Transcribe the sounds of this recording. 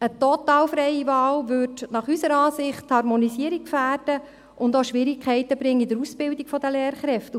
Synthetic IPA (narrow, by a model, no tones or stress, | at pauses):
ətɔt̪ɑːlfɾɛɪiʋɑːlʋʏtnɑχysəɾɑːsɪχthɑɾmɔnisiəɾik̚kfæːrd̥ə | ʔʊndoʃʋɪɾikχɛɪtəbɾɪŋːəidəɾusbɪldikfɔdəleːɾχɾɛft